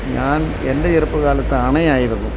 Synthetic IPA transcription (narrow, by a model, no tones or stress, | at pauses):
ɲaːn | endɐirɯpːɨɣaːlɐt̪ːɐɐɳɐjaːjiɾunːu